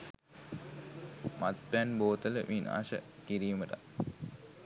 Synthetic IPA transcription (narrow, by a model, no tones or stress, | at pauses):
mʔat̪bænboːt̪ələʋʔina̰ːʃə̰kiɾiːməʈa